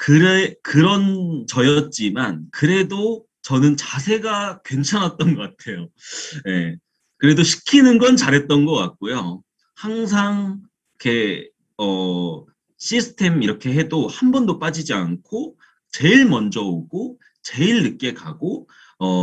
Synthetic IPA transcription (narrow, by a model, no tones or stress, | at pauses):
kɯɾekɯɾʌnt͡ɕʌjʌt̚t͡ɕ͈imankɯɾe̞do | t͡ɕʌnɯnt͡ɕasʰe̞ɡakwe̞nt͡ɕʰaŋɦat̚t͈ʌnɡʌk͈atʰe̞joje̞ | kɯɾe̞doɕʰi̥kʰinɯnɡʌnt͡ɕaɾɦe̞t̚t͈ʌnɡʌk͈at̚k͈ojo | haŋs̬ʰaŋ | kʰe̞ | ʌ | ɕ͈ʰisʰɯ̥tʰe̞miɾʌkʰe̞ɦe̞dohambʌndop͈ad͡ʑid͡ʑiankʰo | t͡ɕe̞iɭmʌnd͡ʑʌoɡo | t͡ɕe̞iɭːɯk͈e̞kaɡo | ʌ